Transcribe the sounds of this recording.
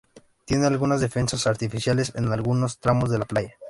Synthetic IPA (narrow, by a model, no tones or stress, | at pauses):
t̪je̞nealɣunazðe̞fe̞nsasaɾt̪ifisjale̞sḛnalɣuno̞st̪ɾamo̞zðe̞laplaʝa